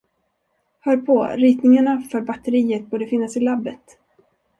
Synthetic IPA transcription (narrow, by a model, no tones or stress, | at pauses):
hœːɾpʰɔɾiːt̪nɪŋaɳafœːɾbat̪əɾiːət̪̚buːɖəfɪnːasɪlabːət̪